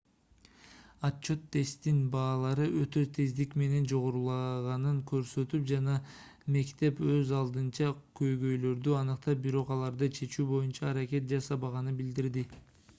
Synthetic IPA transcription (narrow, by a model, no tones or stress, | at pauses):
att͡ʃːo̞t̪ʰːe̞st̪inbɑːlˠɑɾɯʔøt̪ø̞t̪ʰezd̪ikme̞ne̞nd͡ʒo̞ʁoɾulˠɑʁɑnɯŋkø̞ɾsø̞t̪ypd͡ʒɑnɑ | me̞kt̪e̞pø̞zɑlˠd̪ɯnt͡ʃɑkʰø̞jɡø̞jlø̞ɾd̪yɑnɯqt̪ɑp̚biɾo̞qɑlˠɑɾd̪ɯt͡ʃʰe̞t͡ʃuːbo̞junt͡ʃɑːɾake̞t̪̚d͡ʒɑsɑβɑʁɑnɯnbild̪iɾd̪i